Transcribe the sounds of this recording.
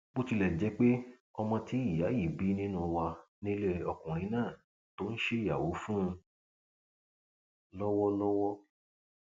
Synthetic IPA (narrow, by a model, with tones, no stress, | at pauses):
bo˦ti˧lɛ˨d͡ʒɛ˨˦k͡pe˦ | ɔ˧mɔ̃˧ti˦i˦˨ja˨˦ji˦˨bi˨˦nĩ˦nũ˧wa˧nĩ˦le˦˧ɔ˧kũ˨ɾ̃ĩ˨˦nãː˦˨ | to˦n̩˦ʃe˦i˦˨ja˨wo˨˦fũ˦˧ | lɔ˦wɔ˦lɔ˦wɔ˦